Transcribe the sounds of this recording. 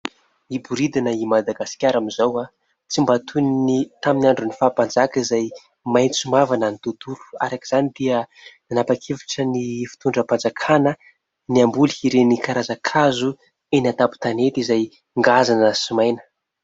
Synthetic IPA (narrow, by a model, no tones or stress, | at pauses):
ibuɾid̪inəimad̪aɡasi̥kʲaɾamizawa | t͡simbat̪ʰuninit̪aminaɳɖ͡ʐunifaːpand͡zakəizaj | majnt͡sumavananit̪ut̪uɾu̥a̰ɾakiz̥anid̪̥iə | nanapakʰevi̥ʈ͡ʂənifi̥t̪uɳɖ͡ʐəpand͡zakʰanə | niambulihiɾenikaɾazakʰazu | enat̪apu̥t̪anet̪izaj | ŋɡazanəsimajnə̥